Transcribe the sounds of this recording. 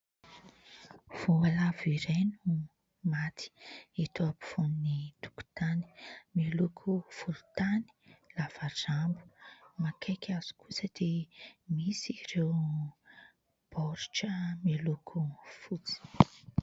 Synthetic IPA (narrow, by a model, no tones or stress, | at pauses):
v̥oalaviɾenu | mat̪ʰi̥et̪oapi̥funnit̪u̥ku̥t̪ani̥milukʰufulu̥t̪ani̥lavazambu̥makʰekʰʲaz̥i̥kusəd̪̥emisiɾew | b̥ɔɾʈ͡ʂəmelukʰufut͡si̥